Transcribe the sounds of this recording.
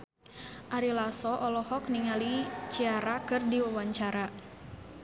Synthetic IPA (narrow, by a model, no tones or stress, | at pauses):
ʔaɾilasɔʔɔlɔhɔk̚niŋalit͡ʃiaɾakɨrdiwawaɲt͡ʃaɾa